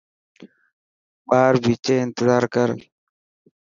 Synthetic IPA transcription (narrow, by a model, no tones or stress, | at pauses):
baːɾbiːt͡ʃeːɪnt̪ɪzaːɾkəɾ